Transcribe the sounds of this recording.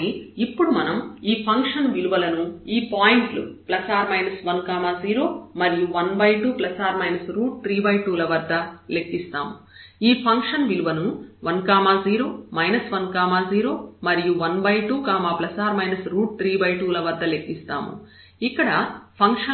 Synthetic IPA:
iipːuɽumɐnɐmiːpʰɐŋkʂɐnʋiluʋɐlɐnuiːpaːjiɳʈlṵplɐsaːɾmɐjnɐsʋɐnkaːmaːziːɾo̞ːmɐɾijuʋɐnbɐjʈuːplɐsaːɾmɐjnɐsɾuːʈ̚t̪ɾiːbɐjʈuːlɐʋɐɾd̪ːɐle̞kːist̪a̰ːmu | iːpʰɐŋkʂɐnʋiluʋɐnuʋɐnkaːmaːziːɾo̞ːmɐjnɐsʋɐnkaːmaːziːɾo̞ːmɐɾijuʋɐnbɐjʈuːkaːmaːplɐsaːɾmɐjnɐsɾuːʈ̚t̪ɾiːbɐjʈuːlɐʋɐd̪ːɐle̞kːist̪a̰ːmṵ | ikːɐɽɐpʰɐŋkʂɐ

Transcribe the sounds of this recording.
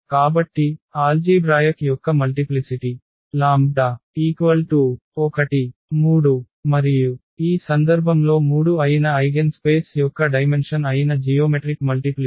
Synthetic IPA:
kaːbɐʈːiaːld͡ʒiːbɾaːjɐkjɔkːɐmɐlʈiplisiʈi | laːmd̪aiːkʋɐlʈu | ɔkɐʈimuːɽu | mɐɾiju | iːsɐnd̪ɐɾbʱɐmlo̞ːmuːɽuɐjinɐɐjɡenspe̞ːsjɔkːɐɖɐjme̞nʂɐnɐjinɐd͡ʒijoːmeʈɾikmɐlʈipli

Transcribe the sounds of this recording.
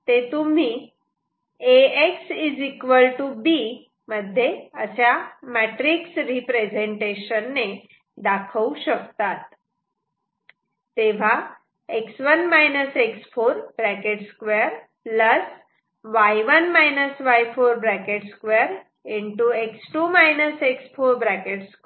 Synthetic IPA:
t̪et̪um̤i | eeksid͡zikʋəlʈubi | məd̪ʱːjeəsjamæʈɾiksɾipɾed͡zeɳʈeɕənːe | d̪akʰəuɕəkt̪at̪ | eʋ̤a | eksʋənmajnəseksfoɾbɾækeʈskʋeəɾ | ləs | ʋajʋənmajnəsʋajfoɾbɾækeʈskʋeəɾ | iɳʈueksʈumajnəseksfoɾbɾækeʈsk

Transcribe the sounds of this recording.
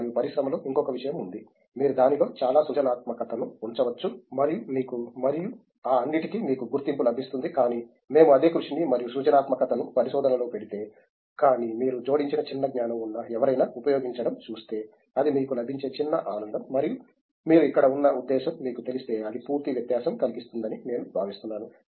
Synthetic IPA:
ijupɐɾisɾɐmɐlo̞ːʔiŋkɔkɐʋiʂɐjɐmund̪i | miːɾud̪aːnilo̞ːt͡ʃaːlaːsuːt͡ʃɐnaːt̪mɐkɐt̪ɐnuuɲt͡ʃɐʋɐt͡ʃːumɐɾijumiːkumɐɾiju | aːɐnːiʈikimiːkuɡuɾt̪impulɐbʱist̪und̪ikaːniː | me̞ːmuɐd̪e̞ːkɾuʂinimɐɾijusuːt͡ʃɐnaːt̪mɐkɐt̪ɐnupɐɾiʃɔːd̪ʱɐnɐlo̞ːpe̞ɽit̪e̞ː | kaːnimiːɾud͡ʒo̞ːɽiɲt͡ʃinɐt͡ʃinːɐɡnaːnɐmunːɐɛʋɐɾɐjnaːupɐjo̞ːɡiɲt͡ʃɐɽɐmt͡ʃuːst̪e̞ː | ɐd̪imiːkulɐbʱiɲt͡ʃe̞ːt͡ʃinːɐ̰ʔaːnɐnd̪ɐmːɐɾiju | miːɾuikːɐɽɐunːɐud̪ːɛːʃɐmːiːkut̪e̞list̪e̞ːɐlipuːɾt̪iʋjɐt̪jaːʃɐmkɐliɡist̪und̪ɐnine̞ːnubʱaːʋist̪unːaːnu

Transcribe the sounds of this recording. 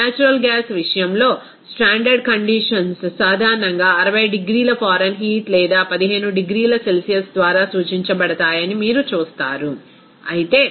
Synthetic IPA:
naːt͡ʃuɾɐlɡaːsʋiʂɐjɐmlo̞ː | sʈaːɳɖɐɾɖkɐɳɖiʂɐnssaːd̪ʱaːɾɐɳɐŋɡaːɐɾɐʋɐjɖiɡɾiːlɐpʰaːɾɐnɦiːt̪lɛːd̪aːpɐd̪iɦe̞ːnuɖiɡɾiːlɐse̞lsijɐsd̪ʋaːɾaːsuːt͡ʃiɲt͡ʃɐbɐɽɐt̪aːjɐnimiːɾut͡ʃuːst̪a̰ːɾu | ɐjit̪e̞ː

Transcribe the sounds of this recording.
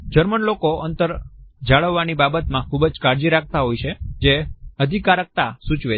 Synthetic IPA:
d͡ʒəɾməɳlokoənt̪əɾd͡ʒaɭəʋːanibabət̪mãkʰubəd͡ʒkaɾd͡ʒiɾak̚ʰt̪aɦojt͡ʃʰed͡ʒeəd̪ʱikaɾək̚t̪asut͡ʃʋe

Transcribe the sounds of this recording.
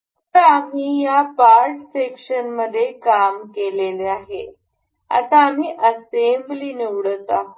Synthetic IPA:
t̪əɾam̤iːjapaɾʈsekʂənməd̪ʱːjekamkeleleaɦe | a̰t̪aːm̤iːʔəsembliːniʋɽət̪a

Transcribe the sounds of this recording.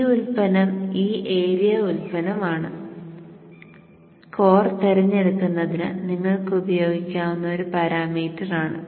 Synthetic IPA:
ulpɐnɐmiːʔeːɾijɐulpɐnɐmaːɳɨ | ko̞ːrt̪eɾɐɲːeɽuk̪ːunːɐðinɨniŋːɐɭkɨubɐjo̞ːɡikʲːaːʋunːɐoɾupɐɾaːmiːtːɐraːɳɨ

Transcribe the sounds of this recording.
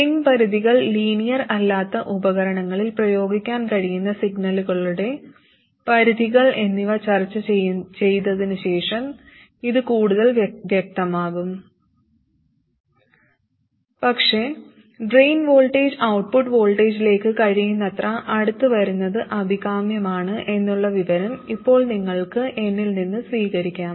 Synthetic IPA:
iŋpɐɾuðiɣɐɭliːnijɐrɐlːaːt̪ːɐʔubɐɣɐɾɐɳɐŋːɐɭilprɐjo̞ːɡikʲːaːnkɐɻijunːɐsiɡnɐluɣɐɭuɽe̞ | pɐɾuðiɣɐɭe̞nːiʋɐt͡ɕɐrt͡ɕːɐet͡ɕe̞jt̪ːɐðinɨɕe̞ːʂɐm | iðɨkuːɽuðɐlʋjɐk̚t̪ɐmaːɣum | pɐkʂe̞ | ɖrejnʋo̞ːɭʈeːd͡ʑɐwʈ̚puʈːʋo̞ːɭʈe̞ːd͡ʑile̞ːkːɨkɐɻijunːɐt̪rɐʔɐɽut̪ːuʋɐɾunːɐðɨʔɐbʱiɣaːmjɐmaːɳɨʔe̞nːuɭːɐʋiʋɐɾɐmipːo̞ːɭniŋːɐɭkɨʔe̞nːilninːɨsʋiːɣɐɾikʲːaːm

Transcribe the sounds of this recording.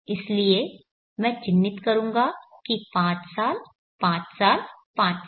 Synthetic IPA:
ɪslie | mɛ̃ːt͡ʃɪnːɪt̪kɐɾũːŋɡakipãːt͡ʃsaːl | pãːt͡ʃsaːlpãːt͡ʃ

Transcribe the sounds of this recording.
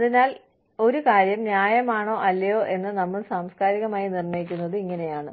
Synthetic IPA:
ðinaːl | o̞ɾukaːɾjɐmnjaːjɐmaːɳo̞ːʔɐlːɐjoːʔe̞nːɨnɐmːɐɭsaːmskaːɾiɣɐmaːjinirɳɐjik̬ʲːunːɐðɨiŋːɐnejaːɳɨ

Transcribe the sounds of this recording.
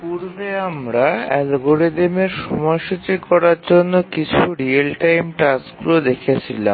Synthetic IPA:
puɾbeamɾaɛlɡoɾed̪emeɾʃɔmɔeʃut͡ɕikɔɾaɾd͡ʑonːokit͡ɕʰuɾielʈajmʈasɡulod̪ekʰet͡ɕʰila̰m

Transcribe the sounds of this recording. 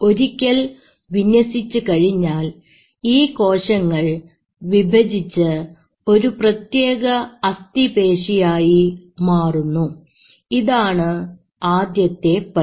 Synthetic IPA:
o̞ɾikʲːɐl | ʋiɲwɐsit͡ɕːukɐɻiɲːaːl | iːko̞ːɕɐŋːɐɭ | ʋibʱɐd͡ʑit͡ɕːɨ | o̞ɾuprɐt̪je̞ːɣɐɐst̪ibe̞ːʂijaːjimaːrunːu | iðaːɳɨ | aːd̪jɐt̪ːe̞pɐ

